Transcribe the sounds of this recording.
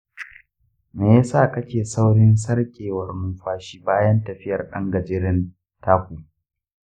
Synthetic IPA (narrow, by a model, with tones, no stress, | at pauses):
meː˨jaː˦saː˦˨kɐ˦kʲeː˨sa˦wɽɪ˦ns̬ɐ˦ɽkʲʼeː˨wɐ˨rnuː˦ɸaː˦ʃiː˦baː˦jɐ˦ntɐ˨ɸɪ˦jɐ˨rɗɐ̰˦ŋɡɐ˨d͡ʒɪː˦ɾɪ˦n | tʰaː˦kʷuː˨